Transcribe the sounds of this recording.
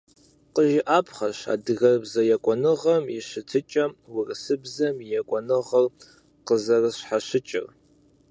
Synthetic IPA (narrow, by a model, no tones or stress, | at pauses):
qəʒɪʔaːpʰχɐʃa̰ːdɨɣɐrbzɐjɛkʷʼɔnɨʁɐmiʃɨtʰɨt͡ʃʼɐmwɪrɨsɨbzɐmjɛkʷʼɔnɨʁɐr | qəzɐrɨɕħaɕɪt͡ʃʼɪ̰r